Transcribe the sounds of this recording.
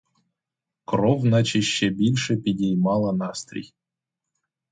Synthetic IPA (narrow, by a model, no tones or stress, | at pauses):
krovnat͡ɕeɕːebʲilʲʂepʲidʲejmɑlˠənɑst̪rʲḭj